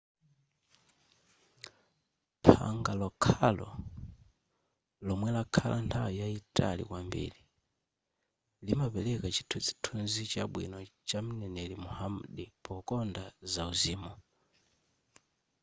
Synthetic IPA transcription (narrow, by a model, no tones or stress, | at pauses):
pʰa̰ŋɡalɔkʰalɔ̰ | lɔmwɛlakʰalʔantʰawijaitʼa̰lḭkwambḭli | limapɛlɛkat͡ʃi̥tʰut͡ʃi̥tʰunzit͡ʃaɓwḭnɔt͡ʃam̩nɛnɛlimuhamɗipʰɔkɔndazauziːmɔ